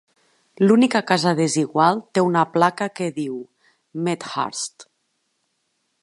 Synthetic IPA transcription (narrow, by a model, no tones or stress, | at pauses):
lunikakazəðeziɣwalˠt̪eunaplakəkeðiw | met̪ha̰ɾst̪